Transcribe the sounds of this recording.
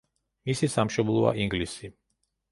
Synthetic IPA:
misisamʃɔblˠɔa̰ʔiŋɡlisi

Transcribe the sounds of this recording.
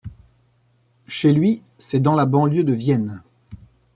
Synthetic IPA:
ʃelɥi | sɛd̪ɑ̃labɑ̃ljød̪əvjɛn

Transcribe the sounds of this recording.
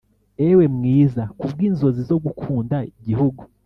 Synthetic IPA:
ewe̞mŋiːzakubɡiːnzo̞zizo̞ɡukʰuːndaiɟihuɡu

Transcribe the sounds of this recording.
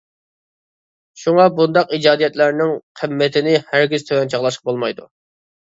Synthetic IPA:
ʃuŋɑbund̪ɑqid͡ʒɑːd̪ijɛt̪læɾnɪŋqʰɨmːɛt̪ʰɪnɪhæɾɡʲiz̥t̪ʰøwɛnt͡ʃʰɑʁlˠɑʃq̚bolˠmɑjd̪ṵ

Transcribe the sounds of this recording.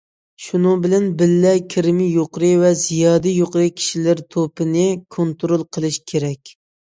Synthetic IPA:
ʃunɨŋbɪlɛnbɪlːɛkʲʰɪɾɪmɪjoqɾɨvɛzijɑːd̪ɛjoqɾɨkʲʰi̥ʃilɪɾt̪ʰopɨnɪkʰont̪ɾolˠqʰəlˠɨʃkʲʰeɾɛkʲ

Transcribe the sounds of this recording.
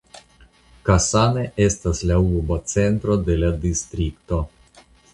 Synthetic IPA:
kasaneʔest̪aslʲauɾbot̪sɛnt̪ɾod̪elad̪ist̪ɾikt̪o

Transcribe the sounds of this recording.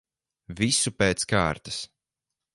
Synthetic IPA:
visupeːt̪skaːɾt̪ḁs

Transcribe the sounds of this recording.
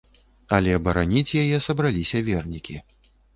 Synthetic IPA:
ɐlʲɛbɐɾanʲit͡sʲjajɛsɐbɾalʲisʲɐvʲɛrnʲikʲi

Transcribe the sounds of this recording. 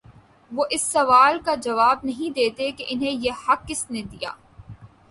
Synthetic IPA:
ʋoʔɪsːɐʋaːlkad͡ʒɐʋaːb̚nɐɦĩd̪eːt̪ekeʔɪnɦẽjehɐkːɪsned̪ija̰ː

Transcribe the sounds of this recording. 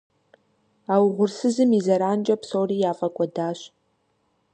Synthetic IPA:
aːwʁʷʊrsɨzɨmizɐɾaːnd͡ʒʼɐpsoːriːjaːfʼɐkʷʼɔdaːɕ

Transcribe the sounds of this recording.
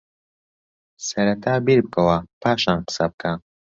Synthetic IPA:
sɐɾɐt̪ʰaːbiɾb̚kʰɐwapʰaːʃaːnqɨ̥sɐb̚kʰa

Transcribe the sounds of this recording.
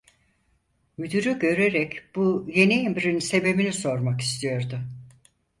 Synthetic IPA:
myd̪yɾyɟø̞ɾe̞ɾɛcb̥uje̞niemɾinse̞be̞biniso̞ɾmaki̥st̪ʰijo̞ɾd̪ʊ

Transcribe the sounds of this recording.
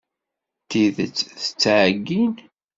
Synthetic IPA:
t̪iðət͡sːθə̥t͡sːʕəɡːin

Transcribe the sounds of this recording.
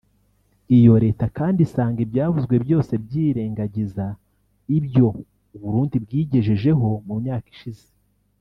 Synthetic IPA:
ijo̞ɾe̞ːtakaːndisaːŋɡebɟaːvuzɡwe̞bjo̞ːse̞bɟiːɾe̞ːŋɡaɟiza | ibjo̞ | uβuɾuːndibɡiːɟe̞ʒeʒe̞ɦo̞mumɲaːki̥ʃize̥

